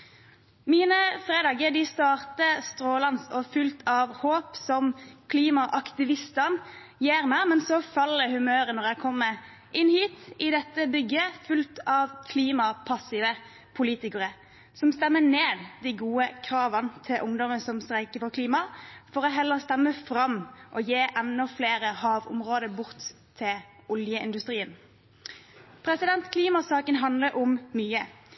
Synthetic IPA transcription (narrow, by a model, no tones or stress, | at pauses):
miːnəfʁeːd̪ɑːɡəd̪ɪst̪ɑːʁt̪əst̪ɾoːlɑnsɔfʉlt̪ʰɑʋhoːpsɔmkʰliːmɑʔɑkt̪ɪʋɪst̪ən | jeːʁmæmɛnsɔfɑlːəhʉmøːɾənɔʁjæɪkʰɔmːə | ʔɪnːhiːt̪ɪd̪ɛt̪ːəbʏɡːəfʉlt̪ɑʋkʰliːmɑpʰɑsɪʋə | pʰʊliːt̪ɪkəʁə | sɔmst̪ɛmːəneːd̪d̪iɪɡuːəkʰɾɑːʋɑnt̪ʰɪlʔʊŋd̪ɔmənsɔmst̪ʁæɪkəfɔʁkʰliːmɑfɔɾɔɦɛlːəʁst̪ɛmːəfɾɑmːʔɔjeːʔɛnːɔfleːɾəhɑːʋʊ̰mʁoːd̪əbʊʁt̪ʰː | ɪ | ʊljəɪnd̪ʉst̪ʁiːən | pʰɾɛsɪd̪ɛnt̪kʰliːmɑsɑːkənɦɑnd̪ləɾʔʊmːyːə